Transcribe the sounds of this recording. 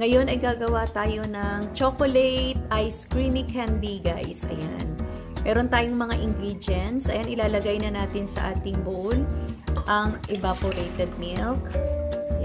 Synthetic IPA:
ŋɐjo̞nɐjɡaːɡɐwat̪aːjo̞nɐŋt͡ʃokolɛjt̪̚ʔɐjskɹinɪkʰhɛnd̪iɡaːʔɪsʔɐ̰ja̰n | mɛːɾo̞nt̪aːjoŋmɐŋaʔɪŋɡɾid͡ʒɛnt̪sʔɐjanʔɪlaːlɐɡajnɐnaːt̪ɪnsɐ̰ʔaːt̪ɪŋbʊʔolʔɐŋʔɛbapoɾejt̪ɛd̪̚milk

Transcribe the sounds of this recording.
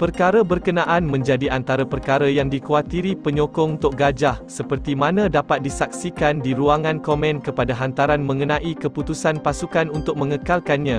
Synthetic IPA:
pərkaɾabərkənaʔanmə̃ɲd͡ʒadiʔant̪aɾapərkaɾajaŋdikuat̪iɾipəɲokɔŋunt̪ʊk̚ɡad͡ʒahsəpərt̪imãnãdapat̪̚disak̚sikandiɾuaŋãnkomɛ̃nkəpadaɦant̪aɾanmə̃ŋənãʔikəput̪usanpasukanunt̪ʊk̚mə̃ŋəkalkanɲã

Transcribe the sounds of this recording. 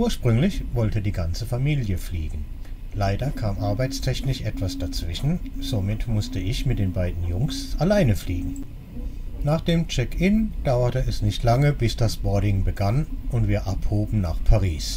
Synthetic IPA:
ʔuːɐʃpʁ̥ʏŋlɪçvɔltədiːɡant͡səfamiːljəfliːɡŋ̩ | laɪdɐkʰaːmʔaɐbaɪt͡stʰɛçnɪʃʔɛtv̥asd̥at͡sv̥ɪʃn̩z̥omɪtmʊstəɪçmɪt̚d̥eːnbaɪdn̩jʊŋsʔalaɪnəfliːɡŋ̩ | naːχd̥eːmt͡ʃɛkɪnd̥aʊɐtəɛsnɪçtʰlaŋəbɪsd̥asb̥ɔɐdɪŋbəɡanʊntv̥iːɐʔaphoːbm̩na̰ːχpʰaʁiːs

